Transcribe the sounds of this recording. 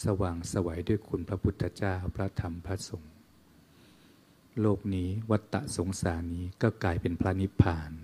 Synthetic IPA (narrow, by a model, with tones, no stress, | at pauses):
sa˧waː˨˩ŋsa˧wa˩˦jduː˥˩əjkʰu˧npʰɾa˦˥pʰu˦˥t̪ʰːa˧t͡ɕaː˥˩wpʰɾa˦˥t̪ʰa˧˥mpʰɾa˦˥so˨˩˦ŋ | loː˥˩k̚niː˦˥wa˦˥t̪ːa̰˨˩ʔso˩˦ŋsaː˩˦niː˦˥kɔː˥˩klaː˧jpe˧npʰɾa˦˥ni˦˥pʰaː˧n